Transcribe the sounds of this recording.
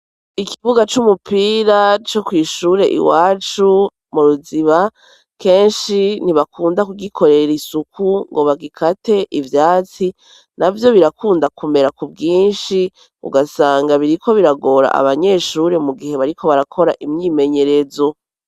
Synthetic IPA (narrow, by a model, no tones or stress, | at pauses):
ikiβuɡat͡ʃumupiːɾat͡ʃo̞kwiːʃuːɾe̞ʔḭwaːt͡ʃu | muɾuziβa | ke̞ːnʃiniβakʰuːndakuɡikʰo̞ɾe̞ɾisukʰuŋɡo̞βaɡikʰate̞ʔivjaːt͡si | navjo̞βiɾakuːndakʰume̞ɾakubɡiːnʃi | ṵɡasaːŋɡaβiɾikʰo̞βiɾaɡo̞ɾa̰ʔa̰βaɲe̞ʃuːɾe̞muɡihe̞βaɾiko̞βaɾakʰo̞ɾa̰ʔimɲiːme̞ɲe̞ɾe̞zo̞